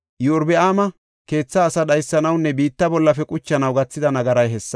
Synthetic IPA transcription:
jɛʊɾbɛaːmɐ | ke̞ːt͡sːɐːsɐɗɐjsːɐnɐwnːɛbiːt̪ːɐbɔlːɐfɛkʼʊt͡ʃːɐnɐwɡɐt͡sːɪd̪ɐnɐɡɐɾɐjɦɛsːɐ̥

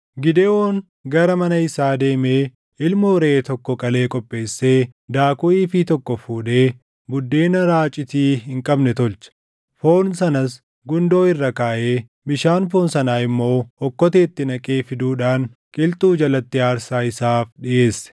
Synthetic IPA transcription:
ɡɪd̪eːwoːŋ | ɡɐɾɐmɐnɐɪsaːd̪e̞ːmeː | ʔɪlmʊɾeːt̪ɔkːɔkʼɐle̞ːkʼɔpʼːe̞ːsːe̞ːd̪aːkʊiːfiːt̪ɔkːɔfuːᶑeː | bʊd̪ːe̞ːnɐɾaːt͡ʃʼɪt̪iːɦɪŋkʼɐbnɛt̪ɔlt͡ʃɐ̥ | fo̞ːnsɐnɐs | ɡʊnd̪o̞ːɪrːɐkaːʔe̞ː | bɪʃaːnfoːnsɐnaːɪmːo̞ːɔkːɔt̪e̞ːt̪ːɪnɐkʼe̞ːfɪd̪uːᶑaːn | kʼɪlt̪ʼuːd͡ʒɐlɐt̪ːɪaːɾsaːɪsaːfᶑɪʔe̞ːsːɛ̥

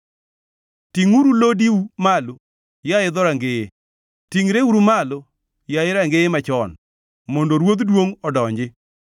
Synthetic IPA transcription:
tiŋuɾulodiumalo | jaɪd̪ɔɾaŋɡeje | tiŋɾeuɾumalo | jaɪɾaŋɡeemat͡ʃɔn | mondoɾwod̪dwoŋɔdɔɲd͡ʒɪ

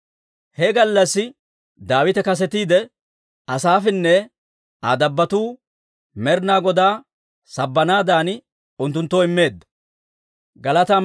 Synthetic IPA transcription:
hɛɡɐlːɐsːɪ | d̪aːwɪt̪ɛkɐs̬ɛt̪iːd̪ɛ | ɐsaːfɛnːɛ | ad̪ɐbːɐt̪uː | mɛɾnaːɡɔd̪aː | sɐbːɐnaːd̪aːn | ʊnt̪ːʊnt̪ːoːɪmːe̞ːd̪ːɐ̥ | ɡɐlɐt̪a

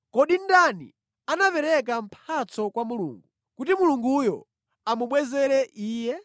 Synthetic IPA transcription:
kɔɗindanḭ | anapɛɾɛk̬am̩pʰat͡sɔkwamulṵːŋɡu | kutimuluŋɡujɔ | amuɓwɛzɛɾɛʔiːjɛ

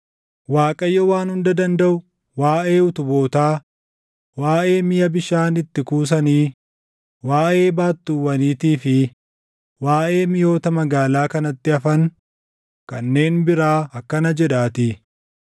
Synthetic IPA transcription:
waːkʼɐjːɔwaːnhʊnd̪ɐd̪ɐnd̪ɐʔʊ | waːʔeːʊt̪ʊbo̞ːt̪aː | waːʔe̞ːmɪjɐbɪʃaːnɪt̪ːɪkuːs̬ɐniː | waːʔe̞ːbaːt̪ːuːwɐniːt̪iːfɪ | waːʔe̞ːmɪjo̞ːt̪ɐmɐɡaːlaːkɐnɐt̪ːɪɐfɐn | kɐnːe̞ːnbɪɾaːɐkːɐnɐd͡ʒɛᶑaːt̪ɪ

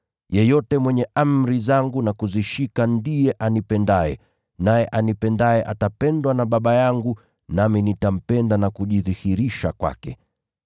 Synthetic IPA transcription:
jɛjɔtɛmwɛɲɛʔam̩ɾizaŋɡunakuziʃikandijɛʔanipɛndaɛ | najɛʔanipɛndajɛʔatapɛndwanaɓaɓajaŋɡu | naminitam̩pɛndanakuʄiðihiɾiʃakwa̰kɛ

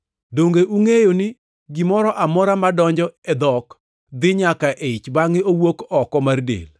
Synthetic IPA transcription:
doŋɡeʔuŋejonɪ | ɡɪmɔɾɔʔamɔɾamadɔɲd͡ʒɔɛd̪ɔk | d̪ɪɲakaʔeɪt͡ʃbaŋɪowokɔkɔmardḛl

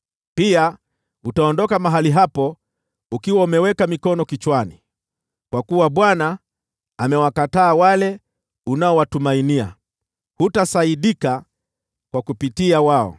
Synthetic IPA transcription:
pia | utaɔndɔkamaɦaliɦapɔ | ukiwaumɛwɛkamikɔnɔkit͡ʃwani | kwakuwaɓwanaː | mɛwakataːwalɛ | unaɔwatumainia̰ | hutasaiɗika | kwakupitiawaɔ̰

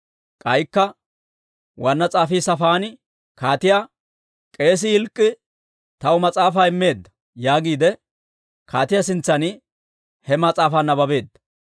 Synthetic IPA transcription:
kʼɐjkːɐ | wɐnːɐt͡sʼaːfiːsɐfaːnɪ | kaːt̪ɪja | kʼe̞ːs̬ɪhɪlkʼːɪ | t̪ɐwʊmɐt͡sʼaːfaːɪmːe̞ːd̪ːɐ̥ | jaːɡiːd̪ɛ | kʰaːt̪ɪjas̬ɪnt͡sːɐnɪ | hɛmɐt͡sʼaːfanːɐbɐbe̞ːd̪ːɐ̥

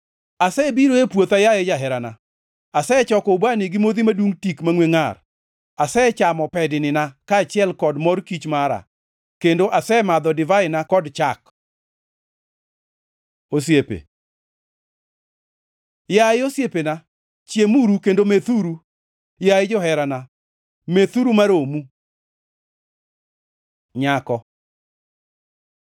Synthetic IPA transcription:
asɛbiɾoepwot̪ajaed͡ʒaɦɛɾana | asɛt͡ʃɔkɔubaniɡɪmod̪imadwuŋtikmaŋweŋar | asɛt͡ʃamɔpɛdɪnɪnakaːt͡ʃɪɛlkɔdmɔrkit͡ʃmaɾa̰ | kendoʔasɛmad̪ɔdɪvaɪnakɔdt͡ʃak | osjepḛ | jaɪosjepena | t͡ʃjemuɾukendomeθuɾu | jaɪd͡ʒɔɦɛɾana | met̪uɾumaɾomu | ɲakɔ

